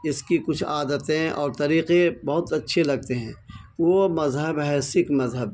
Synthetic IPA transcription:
ɪskikʊt͡ʃʰaːd̪ət̪ẽɔːɾt̪ɐɾiːqebɐɦʊt̪ɐtːʃʰelɐɡ̚t̪eɦɛ̃ːʋomɐzɦəbɦɛːsɪkmɐzɦəb̚

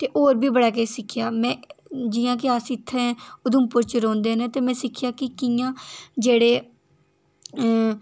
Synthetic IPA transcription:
t̪eːʔoːɾbʱiːbəɽaːkesɪkʰɪjaːmɛ̃ːd͡ʒɪːjãːk̬ɪaːsĩːt̪ʰːeɛ̃ːʊd̪ʊmpʊɾt͡ʃɾɔ̃ːnd̪eːnẽːt̪eːmɛ̃ːsɪkʰːɪjaːkɪkɪjãːd͡ʒeːɽeː

